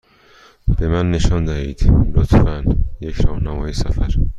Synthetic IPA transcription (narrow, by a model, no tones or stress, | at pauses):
b̥e̞mænːe̞ʃɒnd̪æhḭːd̪̥lot̪fænjecʰɾɒːhnæmɒːjesæfæɾ